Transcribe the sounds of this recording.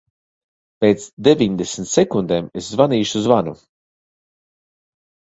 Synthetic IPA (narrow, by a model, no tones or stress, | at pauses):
peːt̪sd̪evʲiɲd̪esnt̪sekund̪eːmeszvaniːʃuzvanṵ